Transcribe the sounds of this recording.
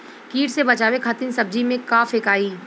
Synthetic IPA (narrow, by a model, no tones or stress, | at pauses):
kiːʈsebɐt͡ʃaːwekʰat̪ɪnsɐb̚d͡ʒimẽkaːfeːkaːiː